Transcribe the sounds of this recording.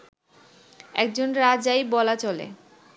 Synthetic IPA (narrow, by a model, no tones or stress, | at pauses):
ɛ̰k̚d͡ʑonɾad͡ʑajbɔlat͡ɕɔlḛ